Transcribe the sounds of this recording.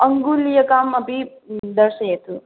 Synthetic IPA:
ɐŋɡulijɐkaːmɐpi | d̪ɐɾʃɐjeːt̪u

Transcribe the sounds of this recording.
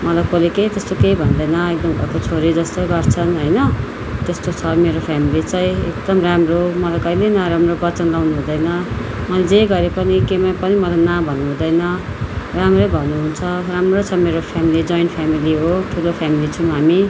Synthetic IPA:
mʌlajkoleket̪est̪okejbʱʌnd̪ʌjnʌek̚d̪ʌmɡʱʌ̰kot͡sʰoɾid͡zʌst̪oɡʌrt͡sʰʌnɦojnʌ | t̪est̪ot͡sʰʌmeɾopʰamilit͡sʌj̃ḛk̚d̪ʌmramromʌlajkʌjlenaɾamrobʌt͡sʌnlawnuɦũd̪ʌjnʌ | mʌlad͡zeɡʌɾepʌnikemapʌnimʌlajnabʱʌnːuɦũd̪ʌjnʌ | ramrʌjbʱʌnːuɦunt͡sʰʌramrot͡sʰʌmeɾopʰjamilid͡zʌjnpʰamiliɦoʈʰulopʰamilit͡sʰʌw̃ɦami

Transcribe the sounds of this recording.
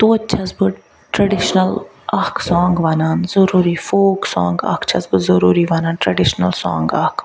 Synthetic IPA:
t̪oːt͡ʃʰɐsbɨ | ʈɾɐɖiʃnɐl | ɐhksɔ̃ːŋɡʋaːnaːnzɐɾuːɾifoːksɔ̰̃ːŋɡɐ̰kt͡ʃʰɐszbɨzɐɾuːɾiʋaːnaːnʈɾɐɖiʃnɐ̰lsɔ̰̃ːŋɡɐhk

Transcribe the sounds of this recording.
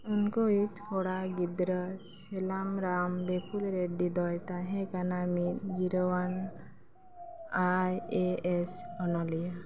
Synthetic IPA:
unkɔit̪hɔɽaɡid̪ɾəs | elamɾambepʰulɾeɖid̪ɔjt̪aɦɛ̃kanamit̪̚ɡiɾɔwan | ajesɔnɔlija

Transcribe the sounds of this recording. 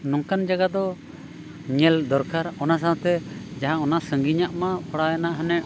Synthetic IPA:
nɔŋkand͡ʒaɡad̪ɔ | ɲɛld̪ɔɾkaɾɔnas̬ãw̃t̪ɛd͡ʒaɦãɔnasəŋɡiɲaʔmapʰɔɽajanaʔɦɛnɛ

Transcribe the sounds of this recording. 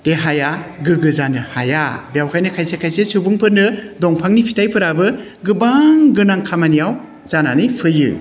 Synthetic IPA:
d̥eɦajaɡɯɡɯzanɯhajabijawkʰajnɯkʰajsekʰajsesɯbɯŋpʰɯɾnɯdɔŋpʰaŋnipʰitajpʰɯɾabɯ | ɡɯbaŋɡɯnaŋkʰamanijaw | z̥ananɯjpʰɯjɯ̰

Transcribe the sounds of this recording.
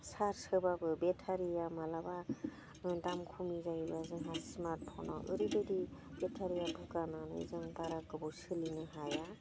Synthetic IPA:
saɾsɯbabɯbetʰaɾijamalaba | nɯdamkʰumizajbazɯŋɦasmaɾpʰɔna̰ʔɯ̰ɾidɯdib̥etʰaɾijabʱɯkananɯ̰zɯŋpaɾakɯbɔsɯlinɯɦaja

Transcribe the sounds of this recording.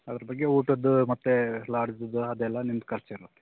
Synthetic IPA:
ɐd̪ɐɾɐbɐɡːeuːʈɐd̪umɐt̪ːelaːɾd͡ʒɐd̪uɐd̪ɛlːɐnimd̪̚kɐɾt͡ʃeiɾut̪ːe̥

